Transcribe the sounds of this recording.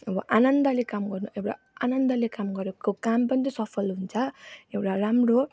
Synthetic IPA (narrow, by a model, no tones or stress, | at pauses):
ʌbʌ̰ʔanʌnd̪ʌlekamɡʌrnuʔewʈa̰ | anʌnd̪ʌlekamɡʌɾekokampʌnit̪isʌpʰʌlɦunt͡sʰʌewʈaramɾo